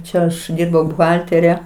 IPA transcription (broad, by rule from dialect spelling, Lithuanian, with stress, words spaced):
ˈt͡ʃʲɛ ɐʃ ˈdʲiːrbɐʊ bʊˈɣɐlʲtʲɛrʲɛ